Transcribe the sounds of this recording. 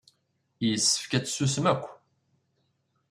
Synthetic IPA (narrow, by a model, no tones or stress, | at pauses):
jəsːə̥fkæt͡sːsusəmækʷː